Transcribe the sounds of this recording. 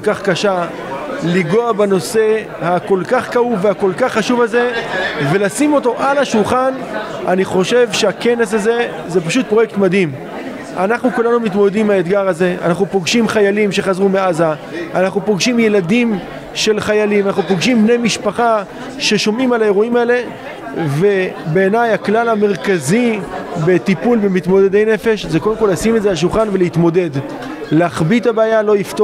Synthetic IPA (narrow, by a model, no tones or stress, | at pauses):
okaχkaʃa | liɡo̞abano̞se̞ | hako̞lkaχkauvehako̞lkaχːaʃuvalze̞ve̞lasimo̞t̪o̞ʔalaʃulχan | aniχo̞ʃe̞vʃe̞ake̞ne̞s̬aze̞ | ze̞paʃut̪̚pʁo̞jek̚t̪mad̪him | anaχnukulanumit̪mo̞ded̪imaet̪ɡaʁaze̞a̰naχnupo̞ɡʃimχajalimʃe̞χazʁumeaza | anaχnupo̞ɡʃimje̞ladim | ʃe̞lχajalimanaχnupoɡʃimbne̞jmiʃpaχa | ʃe̞ʃo̞mimalae̞ʁuimaele̞ | ve̞be̞ːnajaklalame̞ʁkazibe̞t̪ipulbe̞mit̪mo̞ded̪ejne̞fe̞ʃzeko̞demko̞lasimetzeaʃ̬ulχanve̞leit̪mo̞de̞d | leaχbit̪abaːjalo̞jift̪o